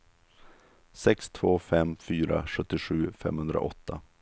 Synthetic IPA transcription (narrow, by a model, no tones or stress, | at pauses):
sɛkst̪ʰvoːfɛmfyːɾa̰ɧɵt̪ːɪɧʉ̟ːfɛ̰mhɵnd̪ɾa̰ʔɔt̪ʰːa